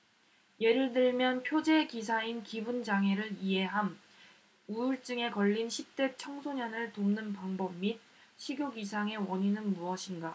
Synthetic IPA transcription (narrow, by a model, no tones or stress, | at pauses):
je̞ɾiɭdɯɭmjʌnpʰjod͡ʑe̞kis̬ʰainkibund͡ʑaŋɦe̞ɾɯɾije̞ɦam | uuɭt͡ɕ͈ɯŋe̞kʌʎːinɕʰip̚t͈e̞t͡ɕʰʌŋsʰoɲʌnɯɭtomnɯnpaŋbʌmmi | ɕʰiɡjoɡisʰaŋe̞wʌɲinɯnmuʌɕʰinɡa